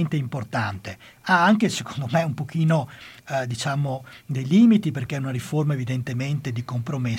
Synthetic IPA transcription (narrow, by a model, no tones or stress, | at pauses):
nt̪eimport̪ant̪e | aaŋkesekond̪omeumpok̟iːnod̪it͡ʃaːmod̪ejliːmit̪iperkɛunaɾiformaevid̪ent̪ement̪ed̪ikompɾome